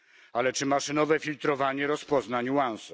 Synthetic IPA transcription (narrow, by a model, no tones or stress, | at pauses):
alɛt͡ʂɘmaʂɨnɔvɛfʲilt̪ɾɔvaɲɛɾɔspɔznaɲwansu